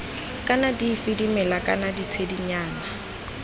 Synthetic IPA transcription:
kʼanadifidimɛlakʼanadit͡sʰediɲaːna

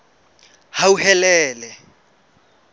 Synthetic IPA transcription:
hauhɛlɛːlɛ

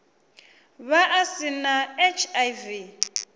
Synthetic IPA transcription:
βaʔasinaet͡ʃʰajvi

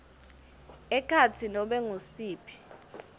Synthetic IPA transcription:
ɛkʰat͡sʰinɔɓɛŋusiːpʰi̥

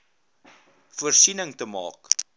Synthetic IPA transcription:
fuərsinəŋtəmɑ̰ːk

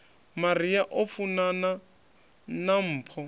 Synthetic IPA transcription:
marijaʔofunana | nam̩ːpʰɔ

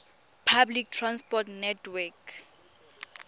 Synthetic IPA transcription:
pʰablik̚tʰranspɔtnɛtʰwɛk

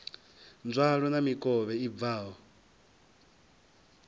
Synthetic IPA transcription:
nd͡zʷwaɺɔnamikʼɔβɛib̪vaːɦɔ

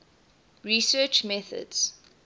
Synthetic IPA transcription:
ɹisɜt͡ʃmɛθə̰dz̥

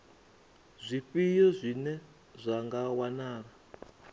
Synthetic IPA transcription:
zʷiɸijɔzʷinɛ | zʷaŋɡawanaːra

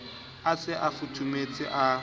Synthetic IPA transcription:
asɪʔafut͡ʃʰʼumet͡sʼɪʔa

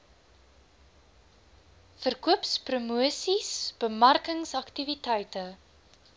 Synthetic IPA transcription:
fərkuəpsprumuəsisb̥əmɐrkəŋsɐktivitɛjtə

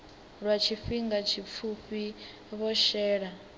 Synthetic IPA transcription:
ɺwat͡ʃʰifiŋɡat͡ʃʰip̪fʰuɸi | βɔʃɛːɺa

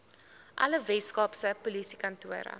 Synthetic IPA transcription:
ʔɐ̰ləvɛtskɑːpsəpulisikɐntuəɾə̰

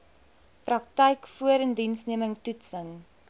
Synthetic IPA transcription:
prɐk̚təjkfuəɾəndinsniəməŋtutsəŋ

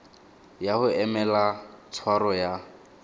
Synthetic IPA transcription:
jahʊɛmɛlat͡sʰwaɾɔja

